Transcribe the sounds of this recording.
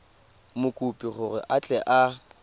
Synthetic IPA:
mʊkʼupʼiɣʊrɪʔat͡ɬʼɛʔa

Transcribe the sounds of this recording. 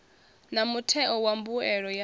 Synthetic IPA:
namutʰɛʔɔwambuɛɺɔja

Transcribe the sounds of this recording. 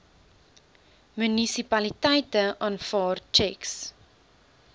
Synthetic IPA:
mynisipɐlitɛjtəʔɑːnfɑːrt͡ʃɛks

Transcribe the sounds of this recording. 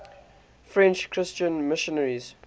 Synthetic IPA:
fɹɛ̃nt͡ʃkʰɹɪst͡ʃə̃nmɪʃənəɹiz̥

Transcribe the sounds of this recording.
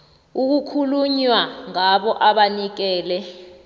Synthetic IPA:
uk̬ukʰuluɲwaŋaɓɔʔaɓanik̬ɛːlɛ

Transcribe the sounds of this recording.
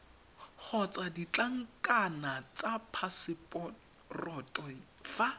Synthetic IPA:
χʰɔt͡sʼadit͡ɬʼaŋ̩kʼanat͡sʼapʰasɪpʼɔ | rɔtʼɔ | fa

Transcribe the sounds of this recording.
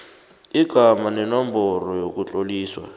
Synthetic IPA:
iɡ̥ʱamanɛnɔmbɔrɔjokut͡ɬoliːswa̰

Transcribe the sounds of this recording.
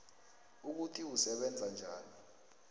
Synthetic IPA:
uk̬utʰiusɛɓɛnd͡zʱand͡ʒʱaːni

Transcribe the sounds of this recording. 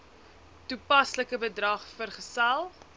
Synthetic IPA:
tupɐsləkəbədrɐχfərχəsælˠ

